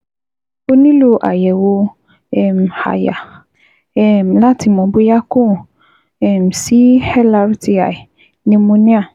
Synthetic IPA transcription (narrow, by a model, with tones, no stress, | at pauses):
o˦nĩ˦lo˦ʔa̰˨jɛ˨wo˧ | ɛ˨m˨ha̰˨ja̰˨ | m˨la˦ti˦mɔ̃˨bo˦ja˦kõ˦˨ | ɛ˨m˨si˨˦hɛ˦la˨ɾti˨a̰˨ | nĩ˧mũ˦nĩ˦a˦˨